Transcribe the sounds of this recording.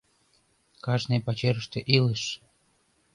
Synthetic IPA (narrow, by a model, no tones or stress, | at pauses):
kɑʒnepɑt͡ɕeɾəʃt̪eʔiləʃ